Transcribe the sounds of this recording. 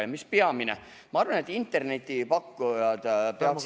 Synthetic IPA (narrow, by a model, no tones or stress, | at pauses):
jmispeɑminḛ | mɑɑrvɑne̞t̪ːˑint̪ːˑe̞rne̞t̪ʲːˑipɑkːujɑd̪̥peɑks